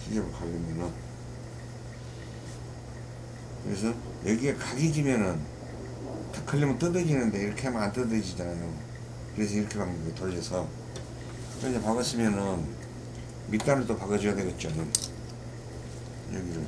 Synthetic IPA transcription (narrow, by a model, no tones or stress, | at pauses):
id͡ʑʌbɯɭkaɡimjʌnɯn | kɯɾḛs̬ʰʌ | jʌɡiekaɡid͡ʑimjʌnɯn | takʰɯʎːimɯnt͈ɯdɯd͡ʑienɯnde̞iɾʌkʰeamaant͈ɯdɯd͡ʑid͡ʑanajo | kɯɾe̞s̬ʰʌiɾʌkʰepaŋdibiotoɾesʰʌ | kɯɾesʰepaɡɯs͈imjʌnɯn | mit͈anɯɭt͈opaɡɯd͡ʑijadeɡet̚t͡ɕ͈anɯm | jʌ̰ɡiɾɯ